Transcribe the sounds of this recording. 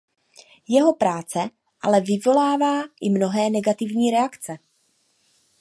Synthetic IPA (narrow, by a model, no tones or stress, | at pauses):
jɛɦo̞pɾaːt͡sɛ | ʔa̰lɛvɪvo̞laːvaːʔɪmno̞ɦɛːnɛɡat̪ɪvɲiːɾɛakt͡sɛ